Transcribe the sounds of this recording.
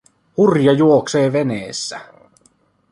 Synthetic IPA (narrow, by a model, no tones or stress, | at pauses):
hurjɑjuokseːʋe̞neːsːæ̰